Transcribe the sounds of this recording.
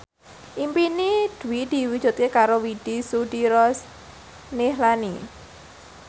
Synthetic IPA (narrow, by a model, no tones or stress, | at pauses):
ʔimpinid̪̥ṳwid̪̥i̤wud̥ʒ̥ṳt̪̚kekaɾowiɖ̥isuɖiɾɔs | nɪɦlani